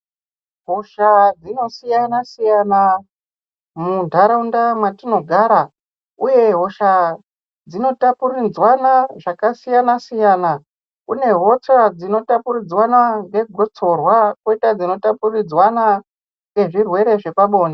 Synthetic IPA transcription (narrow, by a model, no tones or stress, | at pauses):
ɦo̞ʃad͡zino̞sijanasijana | mundʱaɾaundamwatino̞ɡʱaɾa | uje̞ɦo̞ʃa | d͡zino̞tapurid͡zwanaʐakasijanasijana | ṵne̞ɦo̞t͡sad͡zino̞tapurid͡zwanaŋɡe̞ɡʱo̞t͡so̞rwakweitad͡zino̞tapurid͡zwana | ŋɡeʐirwe̞ɾe̞ʐe̞paɓo̞ːna